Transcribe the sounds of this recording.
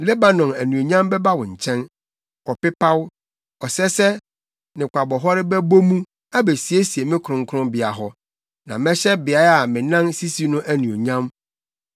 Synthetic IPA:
le˦ba˨nɔ̃˨næ˨nũ˨o˨ɲã˦mbɛ˦ba˦wɔ̃˨ɲ̩˨t͡ɕʰɛ̃˦n | ɔ˨pɪ˦pʰa˦w | ɔ˨sɛ˦sɛ˦ | nɪ̃˨kʷʰa˨bɔ˨ɦɔ˦ɾɪ˦bɛ˦bo˦mũ˦ | a˦be˨si˨e˦si˨e˨mɪ̃˦kʰʊ̃˨ŋ̩˦kʰʊ̃˦mbɪ˨a˨ɦɔ˦ | nã̰˨mɛ̃˦ɕɛ˦bɪ˨a˨˦a˨mɪ̃˨nã˦nsi˦si˦nʊ̃˦ʔæ˨nũ˨o˨ɲã˦m

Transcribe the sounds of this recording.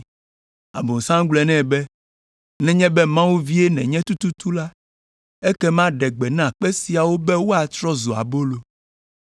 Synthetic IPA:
a̰˨bo˨sã˦ŋ˦ɡ͡blɛ˨nɛ̃˦˨bɛ˦ | nɛ̃˦ɲɛ̃˦bɛ˦mã˦wu˦vi˦e˦nɛ̃˨ɲɛ̃˦t̪u˦t̪u˦t̪u˦la˦ | ɛ˦kɛ˦mã˦ɖɛ˨ɡ͡bɛ˨nã˦˨k͡pɛ˦si˨a˨wo˦bɛ˦wo˦a˨t̪ɾɔ˦zo˨a̰˨bo˦lo˦

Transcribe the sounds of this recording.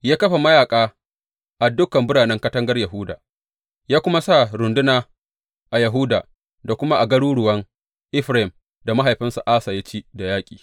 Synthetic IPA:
jaː˦kɐ˦ɸa˨mɐ˦jaː˨kʼaː˦ | ʔa˨dʊ˦kɐ˨mbʊ˦ɽaː˨nɛ˦ŋkɐ˦tɐ˦ŋɡɐ˦rjɐ˨ɦʊː˦da̰ː˨ | jaː˦kʷʊ˦ma˦sa˦˨ɾʊ˨ndʊ˦naː˨ | ʔa˨jɐ˨ɦʊ˦da̰ː˨ | da˨kʷʊ˦ma˦ʔa˨ɡɐ˦ɽuː˦ɽʊ˨wɐ˦ŋ | ʔɪ˦ɸɾa˦ɪ˨m | da˨ma˦ɦa˨jɸɪ˦nsu˨ʔaː˦saː˨ja˦t͡ʃiː˦da˨jaː˦kʲʼiː˨

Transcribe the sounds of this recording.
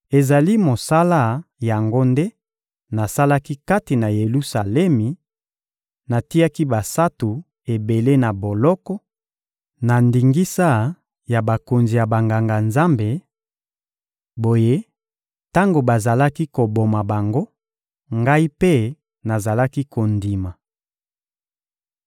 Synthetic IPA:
e˨za˨li˦mo˨sa˦la˦ja˨ŋɡo˦nde˦ | na˨sa˦la˦ki˦ka˦ti˨na˨je˨lu˦sa˨lɛ˦mi˨ | na˨ti˦a˦ki˦ba˨sa˦tu˨ | e˨be˨le˦na˨bo˨lɔ˦kɔ˦ | na˨ndi˨ŋɡi˦sa˦ | ja˨ba˨ko˨nzi˨ja˨ba˨ŋɡa˨ŋɡa˨nza˦mbe˨ | bo˨je˦ | ta˦ŋɡo˨ba˨za˨la˦ki˦ko˨bo˨ma˨ba˨ŋɡo˦ | ŋɡa˦i˦pe˦ | na˨za˨la˦ki˦ko˨ndi˨ma˨

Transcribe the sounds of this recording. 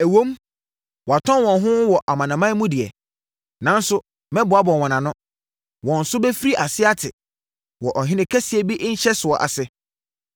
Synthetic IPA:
æ˨wõ˦m | wɔ˨a˨tʰɔ̃˦nwɔ̃˨nɦʊ̃˦wɔ˨ʔa˨mã˨nã˨mã˦mũ˦dɪ˨ɛ̰˨ | nã˨˦n̩˦sʊ˦ | mɛ̃˦bʊ˨a˦bɔ̃˨wɔ̃˨nã˨nʊ̃˦ | wɔ̃˨n̩˨sʊ˦bɛ˦fi˦ɾi˦ʔa˨sɪ˦a˦tʰɪ˨ | wɔ˨ʔɔ˨ɦɪ̃˦nɪ̃˦kʰæ˦si˨ɛ˨bi˦ʔn̩˦ɕɛ˦sʊ˨ɔ˨ʔa̰˨sɛ˦

